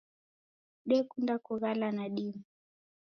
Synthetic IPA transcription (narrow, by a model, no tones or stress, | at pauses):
ɗɛkundakuɣalanaɗimu